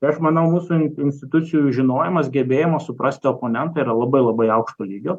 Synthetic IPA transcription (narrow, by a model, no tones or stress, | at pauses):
ɐʃmɐnɐʊmuːsuːɪnʲsʲt̪ʲɪt̪ʊt̪sʲɪjuʒʲɪnoːjɪmɐsɡʲɛbʲeːjɛmɐsʊpɾɐsʲt̪ʲɪoːpoːnʲɛnt̪ɑiːɾɐlˠɐbɐɪlˠɐbɐɪɐʊkʃt̪oːlʲiːɡʲoː